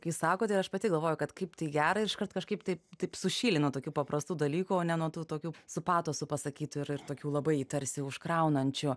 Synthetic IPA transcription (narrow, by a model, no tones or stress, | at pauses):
kjɪssɑːkoːt̪ʲɐɪɾɐʃpɐt̪ʲɪɡɐlˠʋoːjʊkɐt̪kɐɪpt̪ɐɪɡʲæːɾɐɪɾɪʃkɐrt̪kɐʃkɐɪpt̪ɐɪpt̪ɐɪpsʊʃʲiːlʲɪnuɔt̪oːkʲuːpɐpɾʔɐst̪uːd̪ɐlʲiːkuoːnʲɛnuɔt̪uːt̪oːkʲuːsʊpɑːt̪oːsʊpɐsɐkʲiːt̪ʊɪɾɪrt̪oːkʲuːlˠɐbɐɪiːt̪ɐɾʲsʲɪʊʃkɾɐʊnɐnʲt͡ʃʲʊ